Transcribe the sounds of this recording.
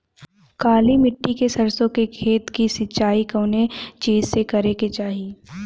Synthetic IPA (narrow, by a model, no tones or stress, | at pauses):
kaːlimɪʈːikesɐɾsõkekʰeːt̪kisɪt͡ʃʃaːikoːnet͡ʃiːzsekɐɾeket͡ʃaːɦiː